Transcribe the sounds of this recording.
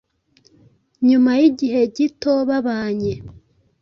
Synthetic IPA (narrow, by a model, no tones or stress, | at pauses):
ɲumajiɟiɦe̞ɟitoβaβaːɲe